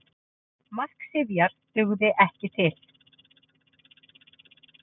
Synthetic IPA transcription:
mal̥ksɪðjaɾ̥t̪ʏɣðɪʔɛhcɪt̪ʰɪl̥

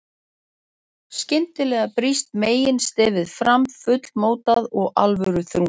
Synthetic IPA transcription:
scɪnt̪ɪlɛːɣapɾist̪meːjɪnst̪ɛːvɪðfɾamfʏt̪l̥moːwt̪aðɔɣa̰lvʏʏɾʏθɾu

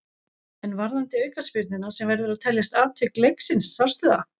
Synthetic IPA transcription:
ɛnvaɾðant̪ɪœːɥjkaspɪɾt̪nɪnasɛmvɛɾðʏɾaðt̪ʰɛljast̪aːt̪ʰvɪklejksɪnsːaw̥st̪ʏða

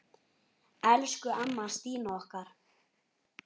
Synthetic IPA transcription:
ɛlskʏʔamːast̪iːnaɔhkaɾ̥

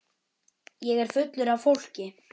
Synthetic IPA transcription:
jɛɣɛɾ̥fʏt̪lʏɾavfowl̥cɪ

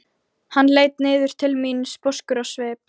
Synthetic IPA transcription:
hanːleːjt̪nɪːðʏɾ̥t̪ʰɪlminspɔskʏɾasvɛːp

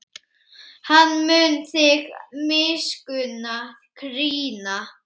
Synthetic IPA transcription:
hanːmʏːnθɪxmɪːskʏna | kʰɾiːna

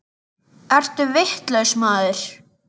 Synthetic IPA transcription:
ɛr̥t̪ʏvɪht̪lœɥsmaːðʏɾ̥

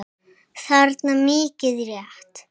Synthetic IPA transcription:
θaɾt̪namɪːcɪðɾjaht̪

